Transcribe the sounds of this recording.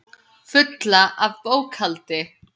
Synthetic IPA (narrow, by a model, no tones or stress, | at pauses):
fʏt̪laʔavpoːwkʰalt̪ɪ